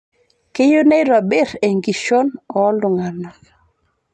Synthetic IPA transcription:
ke˦jo˦ne˦ɾɔ˨bɪ˦ɾe˨ŋɡi˨ʃo˦nɔ˨˦lʊ˨ŋa˨na˨

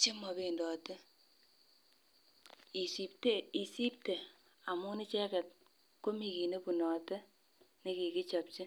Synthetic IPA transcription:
t͡ʃe˦mɔ˨be˨ndɔ˨te˦ | i˨si˨p̚te˦i˨si˦p̚te˨ | a˨mu˦nɪ˦t͡ʃɛ˦kɛ˨t̚ | ko˦mi˨ki˨ne˦pu˨nɔ˨tɛ˦ | ni˨ki˨ki˦t͡ʃɔ˨p̚t͡ʃi˦

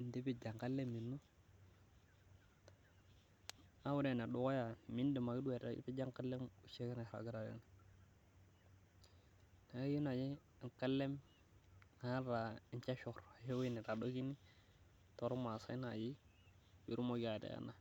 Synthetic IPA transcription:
n˦di˦bi˦d͡ʒa˨ŋka˦lːe˦mːi˨nːo˦ | a˦wu˦ɾe˨na˨ɗu˦ko˦ja˨mi˦ndi˨ma˨ɡi˦du˦we˨ɾa̰˨˦pi˦d͡ʒa˦ŋka˦lːe˦mu˨ʃe˦ka˦na˨ɾa̰˨ɡi˦ɾa˨ɾḛ˦n˨ | na˨˦ji˦na˨d͡ʒi˦˨ | ŋka˦lːe˦m | a˦ɾa˨i˨nt͡ʃa˦ʃo˨ɾa˨ʃe˦we˦ni˨ɾa˨ɗo˦ɡi˦ni˦ | to˨ɾo˦ma˨sa˦i˦na˨d͡ʒi˦ | wḭ˨ɾu˦mo˦ɡi˦a˨dḛ˨a̰˦na˨

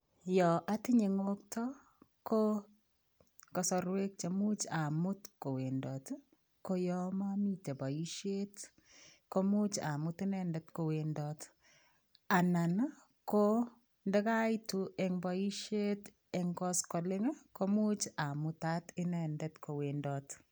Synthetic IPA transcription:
jɔ˨ʔa˦tɪ˦ɲe˨ŋo˦ktɔ˦ | ko˦ | kɔ˨sɔ˨ɾwe˦k̚t͡ʃa˨mu˦t͡ʃa˨mʊ˦tko˨we˨ndɔ˨t | ko˦jɔ˦ma˦mi˦te˨bɔ˨i˦ʃe˦t | ko˦mu˦t͡ʃa̰˨mʊ˦tɪ˦nɛ˦ndɛ˦tko˨we˨ndɔt | a˨na˨n | ko˦ | ndɛ˦ka˦i˦tu˨ɛ˨ŋbɔ˨i˦ʃe˦t | ɛŋkɔ˦skɔ˨lɪ˦ŋko˦mu˦t͡ʃa˨mʊta˦tɪ˦nɛ˨ndɛ˦tko˨wendɔ˨t

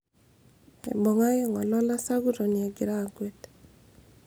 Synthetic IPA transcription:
ɛ̰˨bo˨ŋa˦jɔ˦ŋɔ˨lɔ˦la˦sa˦ɡu˦ɾo˨nɪ˨ɛ˨ɡɪ˨ɾa˦˨ɡwe˦t

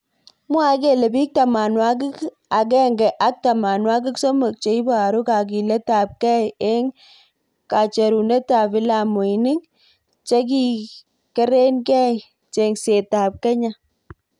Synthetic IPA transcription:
mwa˦ke˦˨le˨bi˦k̚ta˨ma˨nwa˦k̬ɪ˦k | a˨ɡɛ˦˨ŋɡɛ˨ʔa˦k̚ta˨ma˨nwa˦kɪ˦kso˦mo˨k̚t͡ʃe˨i˦ba˦˨ɾu˦ka˨ɡ̬i˨lɛ˦ta˨p̚kɛ˦ɛ˦ŋ | ka˨t͡ʃe˨ɾu˨nɛ˦ta˨bi˦la˨mo˨jnɪ˦ŋ | t͡ʃe˦k̬i˨ | kɛ˦ɾe˦nkɛ˦˨ | t͡ʃe˨ŋse˨ta˨p̚kɛ˦ɲa˦

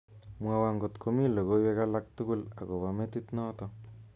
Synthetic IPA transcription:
mwa˧wa˧ŋɡo˨t̪kʰo˨mi˦lo˨ɣo˦we˦ka˦la˦k̚t̪u˦ku˦la̰˨ɣo˨βa˨me˦t̪i˦t̪nɔ˦t̪o

